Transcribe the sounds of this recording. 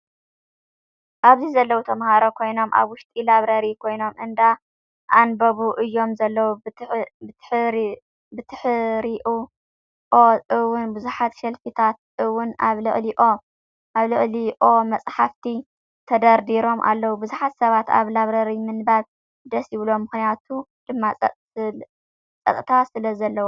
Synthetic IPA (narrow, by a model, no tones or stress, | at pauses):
ʔaβzizɐlːɐwut̪ʰɐmhaɾokʰo̞jno̞mʔa̰βwʊʃt̪ʼilaβɾɐɾikʰo̞jno̞mʔɨnd̪a | ʔanbɐβuʔɨjːo̞mzɐlːɐwu | ħ | bɨt̪ʰɨħɨɾiʔu | ʔoʔɨwʊnbɨzuħat̪ʃɐlfit̪ʰat̪̚ | ɨwʊna̰βlɨ̰ʔʼliʔo̞ | ʔaβlɨχʼliʔo̞mɐt͡sʼħaft̪ʰi | t̪ʰɐd̪ɐɾd̪iɾo̞mʔa̰lːɐwubɨzuħat̪sɐβat̪a̰βlaβɾɐɾimɨnbaβ | d̪ɐsjɪβlo̞mːɨxnijat̪ʰu | d̪̥ɨmːa | t͡sʼɐt̪ʼt̪ʰasɨlɐzɐlːɐwo